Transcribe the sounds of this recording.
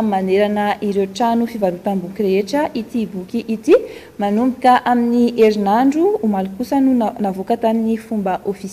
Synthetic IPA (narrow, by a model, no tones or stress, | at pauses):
maneɾanəʔiɾewʈ͡ʂanufivaɾut̪ambukʲiɾeeʈ͡ʂəʔit̪ibukiʔit̪i | manumbikʲaʔaminiʔeɾinaɳɖ͡ʐuːmalukusənunavokat̪aninifumbəʔofis